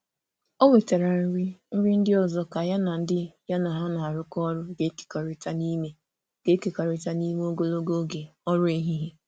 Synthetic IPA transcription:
o˦we˨ta˨ɾa˨n̩˦ɾi˦n̩˦ɾi˦n̩˦dɪ˦ɔ˨zɔ˦ka˨ja˦na˨n̩˦dɪ˦ja˦na˨ɦa˦na˨a˨ɾʊ˦kɔ˦ɾʊ˦ɡe˦ke̥˨ka˨ɾɪ˨ta˦ni˦me˦ | ɡ̥e˦ke˨ka˨ɾɪ˨ta˦ni˦me˦o˦ɡo˦lo˦ɡo˦ɡe˨ɔ˦ɾʊ˦e˦ɦi˦ɦe˦

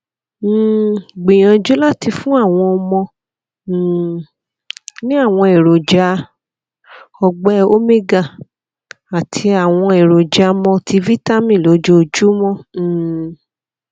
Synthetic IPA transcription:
ɡ͡bĩ˨j̃ã˧d͡ʒu˦la˦ti˧fũ˦a˦˨w̃ɔ̃˧ɔ˧mɔ̃˧˨ | nĩ˦a˦˨w̃ɔ̃˧e˨ɾo˨d͡ʒa˨˦ | ɔ˧ɡ͡bɛ˦o˦me˦ɡa˦˨ | a˨tʰi˧a˨w̃ɔ̃˧e˨ɾo˨d͡ʒa˧˦mɔ̃˧tʰi˧vi˦ta˦mĩ˦˨lo˨˦d͡ʒo˦o˧d͡ʒu˦mɔ̃˦˨

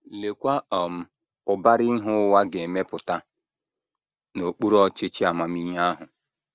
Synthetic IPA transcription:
le˨kʷa˦ɔ˨m̩˨ | ʊ˨ba˦ɾɪ˦ɦʊ˦wa˦ɡe˨me˦pʊ˨ta˦ | no˨k͡pu˦ɾɔ˦t͡ʃɪ˦t͡ʃi˦a˨ma˨mi˦ɦa˦ɦʊ˨

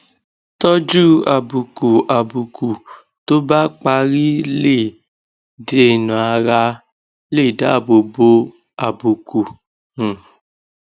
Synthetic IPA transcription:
tɔ˦d͡ʒu˦a̰˨bu˨ku˨a˨bu˨ku˨ | to˦ba˦k͡pa˧ɾi˦le˦˨ | de˨nũ˨a˧ɾa˧ | le˦˨da̰˦˨bo˨bo˧ | a˨bu˨kũ˨

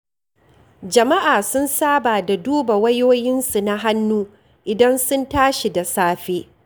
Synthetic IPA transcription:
d͡ʒɐ˨ma˦ʔaː˨sʊ˦nsaː˦baː˨da˨duː˦ba˨wɐ˦joː˦jɪ˦nsu˨na˦ɦa˦nːuː˦ | ʔɪ˨dɐ˦nsʊ˦ntaː˦ʃi˨da˨saː˦ɸeː˦

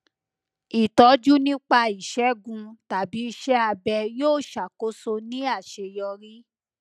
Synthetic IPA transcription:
i˨tɔ˨˦d͡ʒu˦nĩ˦k͡pa˧i˨ʃɛ˨˦ɡũ˧ta˨bi˨˦i˧ʃɛ˦a˧bɛ˧joː˦˨ʃa˨ko˦so˧nĩ˦a˦˨ʃe˧jɔ˧ɾi˦

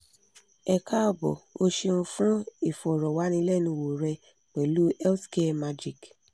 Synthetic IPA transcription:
ɛ˨ka˦ɔ˧˨bɔ̰˨o˧ʃe˧nũ˧fũ˦e˨fɔ˨ɾɔ˨wa˨˦nĩ˧lɛ˦˨nũ˧wo˨ɾɛ˧ | k͡pɛ˨lu˦ɛ˦lske˦˨ma˧d͡ʒi˨k

